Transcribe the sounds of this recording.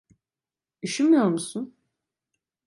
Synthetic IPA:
iʃilmijoɾmusun

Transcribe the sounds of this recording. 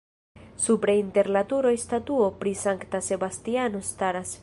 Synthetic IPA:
supɾeinte̞ɾnatuɾojstatuo̞pɾisaŋktase̞bastiano̞staɾas

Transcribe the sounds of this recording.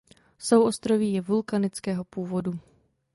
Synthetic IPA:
so̞wʔo̞st̪ɾoviːjɛvulkanɪt͡skɛːɦo̞puːvo̞du

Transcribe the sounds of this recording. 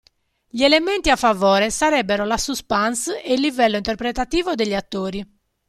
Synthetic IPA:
ʎiɛlement̪iafːavɔːɾɛsaɾɛbːɛɾolasuspanseilːivɛlːoint̪ɛɾpɾet̪at̪iːvod̪eʎːiat̪ːoːɾi

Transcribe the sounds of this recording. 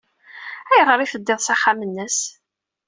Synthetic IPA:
æjəʁəɾˤifəd̪ːeðˤsaχːamənːəs

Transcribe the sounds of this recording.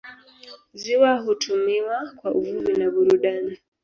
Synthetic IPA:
ziwaɦutʰumiwakwaʔuvuvinaβuɾudana

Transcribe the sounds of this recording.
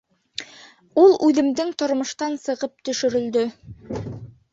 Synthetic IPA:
ulˠʉðɘ̆md̪ɘŋt̪ŏɾmɤ̆ʃt̪ɑnsɤ̆ʁɤp̚t̪ɵ̆ʃɵ̆ɾɵ̆ld̪ɵ

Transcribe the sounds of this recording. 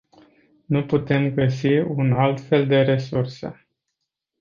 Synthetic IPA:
nuput̪e̞mɡəsiunalt̪fe̞ld̪e̞ɾe̞sursḛ

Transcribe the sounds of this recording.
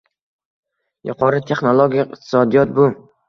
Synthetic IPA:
jʊ̰qʰɒɾɪt̪ʰe̞χnolˠoɡʲijɪχt̪ʰɪ̥sɒd̪ijɒt̪̚bʊ

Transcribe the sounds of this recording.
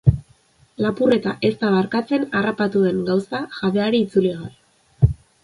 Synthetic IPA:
lapure̞t̪aʔe̞st̪aβaɾkat͡se̞narapat̪uðe̞ŋɡawsaʝaðe̞aɾiːt͡suliɣal

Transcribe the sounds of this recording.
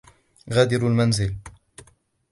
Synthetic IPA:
ɣaːd̪ɪɾalmanzɪl

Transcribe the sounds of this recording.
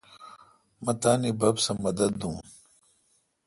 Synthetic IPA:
mɐt̪aːnibɐbsɐmɐd̪ɐd̪ːũːn

